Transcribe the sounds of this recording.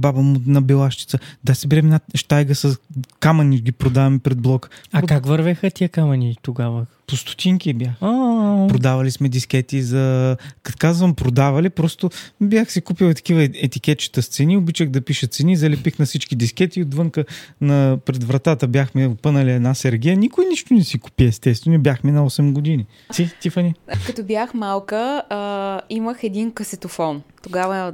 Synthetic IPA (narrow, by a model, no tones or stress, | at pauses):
babəmʊnɐbɛlˠaʃt͡ʃ̪i̥t̪səd̪asɛbɛɾɛmɛnaʃt̪ajɡəsɐskamɐniɡʲipɾod̪avɐmpɾɛd̪̚blˠɔkɐkakvɐɾvɛxət̪iɛkamɐnit̪oɡavəpost̪ʊ̥t̪iŋkibʲjaxapɾod̪avɐlismɛd̪iskɛt̪izɐkɐkazvɐmpɾod̪avɐlipɾɔst̪ʊbʲjaxsɛkupilˠt̪ɐ̥k̟ivəɛt̪ikʲɛt̪̚t͡ʃi̥t̪əst̪sɛniobit͡ʃəɣd̪ɐpiʃət̪t̪sɛnizɐlɛpixnɐsit͡ʃkid̪iskɛt̪iːod̪vɤŋkənɐpɾɛd̪vɾɐt̪at̪əbjaxmɛopɤnəliɛd̪nasɛɾɡʲiənikʊjniʃt̪ʊnɛsiku̥piɛɛst̪ɛtst̪vɛnubjaxminɐɔsɛmɡod̪ini | t̪it̪ifənʲikɐt̪objaxmalˠkə | iməxɛd̪inkəsɛt̪ofɔnt̪oɡavə